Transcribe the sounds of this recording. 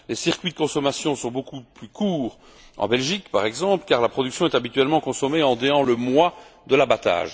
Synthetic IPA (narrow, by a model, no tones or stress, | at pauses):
lesiʁkʲɥid̪əkɔ̃sɔmasjɔ̃sɔ̃bokuplykʰuːʁ | ɑ̰̃bɛlʒikpaʁɛɡzɑ̃plkaʁlapχɔd̪yksjɔ̃ɛt̪abit̪ɥɛlmɑ̃kɔ̃sɔmeɑ̃d̪eɑ̃ləmwad̪əlabat̪a̰ːʒ